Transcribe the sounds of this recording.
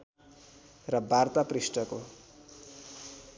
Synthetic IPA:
rʌbart̪aprisʈʌko

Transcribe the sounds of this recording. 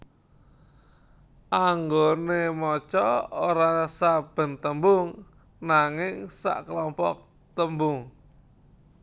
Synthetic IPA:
ʔaŋɡonemɔt͡ʃɔoɾasab̥ə̤nt̪əmbʊŋ | naŋɪŋsa̰ʔklɔmpɔ̰k̚ | t̪əmbʊŋ

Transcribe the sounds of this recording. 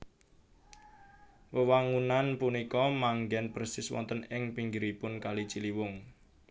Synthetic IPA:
wəwaŋunanpunikɔmaŋɡɛnprsɪswɔ̰nt̪ənɪŋpiŋɡiɾipʊnkalit͡ʃiliwʊŋ

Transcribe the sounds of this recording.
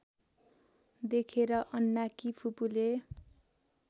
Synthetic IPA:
d̪ekʰeɾʌʔʌnːakipʰupule

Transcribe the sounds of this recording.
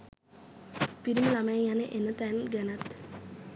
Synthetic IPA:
piɾiməlamajəjanəʔenət̪ænɡanat̪

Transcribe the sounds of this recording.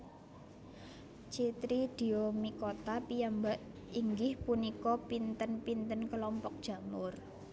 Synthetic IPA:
t͡ʃit̪ɾid̪̥i̤omikot̪apijambaʔ | iŋɡɪhpunikɔpint̪ənpint̪ənkəlɔmpɔk̚d̥ʒ̥ä̤mʊr

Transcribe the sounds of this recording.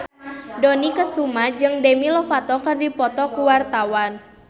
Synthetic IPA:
dɔnikəsumad͡ʒɨŋdemilɔfat̪ɔkərdipɔt̪ɔkuwart̪awan

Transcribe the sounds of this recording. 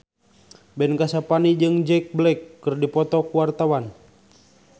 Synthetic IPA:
bɛnkasapanid͡ʒɨŋd͡ʒɛk̚blɛkːɨrdipɔt̪ɔkuwart̪awan

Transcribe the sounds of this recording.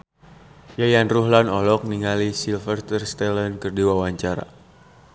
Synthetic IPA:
jajanruɦlanɔlɔk̚niŋalisilfərt̪ərst̪ɛlənkərdiwawaɲt͡ʃaɾa̰

